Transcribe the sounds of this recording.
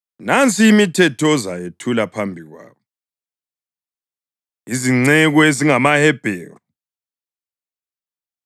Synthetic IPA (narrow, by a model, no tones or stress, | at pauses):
nant͡sʰʼiːmitʰɛtʰɔzajetʰulapʰambʱiɣwa̰ːβɔ | iziŋ͡ǀɛɣɔeziŋamahɛb̥ʱɛːrɔ